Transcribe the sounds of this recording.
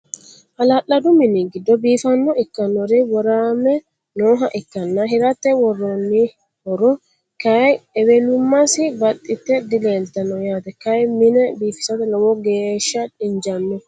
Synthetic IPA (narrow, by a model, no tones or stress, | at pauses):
ʔɐlalːɐd̪ʊmɪnɪɡɪd̪ːɔbiːfɐnːɔɪkːɐnːɔɾɪwɔɾaːmɛ | noːɦɐʔɪkːɐnːɐɦɪɾɐt̪ːɛwɔrːɔnːi | hɔɾɔ | kɐjɛwɛlʊmːɐsɪbɐt̪ʼːɪt̪ːɛd̪ɪleːlt̪ɐnːɔjaːt̪ɛkɐjmɪnɛbiːfɪ̥sɐt̪ɛnɐwɔɡeːʃːɐᶑɪɲd͡ʒɐnːɛ